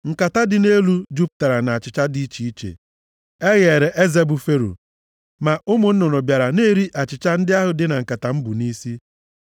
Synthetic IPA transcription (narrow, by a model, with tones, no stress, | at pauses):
ŋ̩˨ka˨ta˦dɪ˨ne˦lu˦d͡ʒu˦p̚ta˨ɾa˨na˨a˨t͡ʃɪ˨t͡ʃa˦di˦t͡ʃi˨i˦t͡ʃḛ˨ | e˦ɣe˨ɾe˨ʔe˦ze˦bʊ˨fe˦ɾṵ˨ | ma˨ʊ˦mʊ˨n̩˦nɔ˨nɔ˨bja˨ɾa˨ne˦ɾi˦ʔa˨t͡ʃɪ˨t͡ʃa˦n̩˦dɪ˦a˦ɦʊ˨dɪ˦na˨ŋ̩˨ka˨ta˨m̩˦bʊ˨ni˦si˦